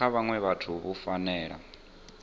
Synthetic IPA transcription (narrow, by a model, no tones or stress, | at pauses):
aβaŋwɛβatʰuβufanɛːɺa̰